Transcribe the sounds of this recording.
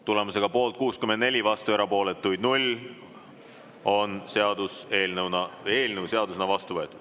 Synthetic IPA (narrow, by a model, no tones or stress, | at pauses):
t̪ule̞muse̞ɡ̥ɑpo̞ːlt̪̚kuːskymend̪ne̞lʲivɑst̪ueɾɑpo̞ːle̞t̪ːˑujd̪̚nulʲ | o̞nseɑd̪use̞ːlnəwnɑe̞ːlnəwse̞ɑd̪usenɑvɑst̪uvɤ̞et̪ːˑud̪̥